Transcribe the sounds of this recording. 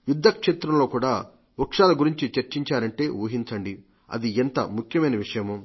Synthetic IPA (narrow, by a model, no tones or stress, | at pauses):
jud̪ʱːɐkʂeːt̪ɾɐmlo̞ːkuːɽaː | ukʂaːlɐɡuɾiɲt͡ʃit͡ʃɐɾt͡ʃiɲt͡ʃaːɾɐɳʈe̞ːuːɦiɲt͡ʃɐɳɖi | ɐ̰d̪ient̪ɐ̰mukʰjɐmɐjnɐʋiʂɐjɐmu